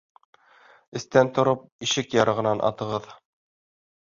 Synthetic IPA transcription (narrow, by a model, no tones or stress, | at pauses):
ɘ̆st̪ænt̪ŏɾop̚iʃɘkjɑɾɤ̆ʁɤ̆nɑnʔɑ̰t̪ɤ̆ʁɤð